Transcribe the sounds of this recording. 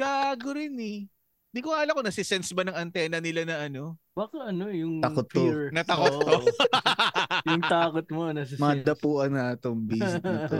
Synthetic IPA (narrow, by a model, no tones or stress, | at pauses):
ɡaːɡoɾɪnɛ | nd̪ikoŋaːlɐkonɐsɪsɛnsbɐnɐŋɐnt̪ɛːnɐnɪlanɐʔɐno̞ | wɐkɐɐnojʊŋt̪ɐkot̪ːonɐt̪ɐkot̪ːo | jʊŋt̪aːkot̪̚monɐsmɐŋad̪ɐpuːʔɐnaːt̪oŋbisɐt̪o